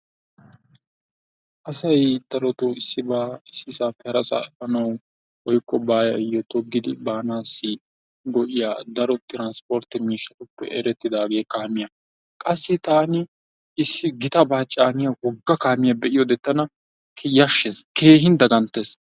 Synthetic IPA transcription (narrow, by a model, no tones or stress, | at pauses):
ʔɐsɐjd̪̥ɐɾɔt̪oɪsːɪbaːɪsːɪsaːfɛɾɐsa̰ɛfɐnɐw | wɔjkʼːɔbaːjɐjɔt̪ɔɡɪd̪ɪbaːnaːsːɪ | ɡɔʔɪjaːd̪ɐɾɔt̪ɪɾanspoːɾt̪ɪmiːʃɐt̪ʼʊpːɛ̰ʔɛɾɛt̪ːɪd̪aːɡe̞ːkaːmɪja | kʼɐsːɪt̪aːnɪ | ɪsːɪɡɪt̪ɐbaːt͡ʃʼːaːnɪjawɔɡːɐkaːmɪjɐbɛʔɪjɔd̪ɛt̪ːɐnɐ | kʰjɐʃːeskʰe̞ːɦɪnd̪ɐɡɐnt̪ːes